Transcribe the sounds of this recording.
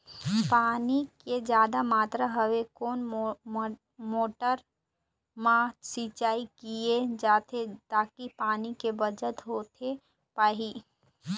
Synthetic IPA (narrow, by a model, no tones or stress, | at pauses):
paːniked͡ʒjaːd̪amaːt̪ɾaɦəʋekoːn | moːʈəɾ | mãsiːt͡ʃaːikied͡ʒaːt̪ʰet̪aːkipaːnikebəd͡ʒət̪ɦoːt̪ʰe | paːɦi